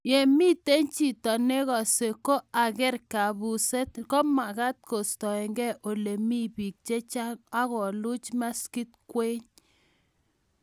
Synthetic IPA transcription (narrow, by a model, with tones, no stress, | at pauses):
je˨mi˦te˦nt͡ʃi˨tɔ˨ne˦ɣɔ˨se˨ko˦a˨kɛ˦ɾka˨bu˨se˦t̪kɔ˦ma˨ka˦t̪̚ko˨stɔ˨ɛ˨ŋɡɛ˦ʔo˨le˨mi˦bi˨k̚t͡ʃe˦t͡ʃa˦ka˦ɣɔ˨lu˦t͡ʃma˦ski˦t̪̚kwe˦ɲ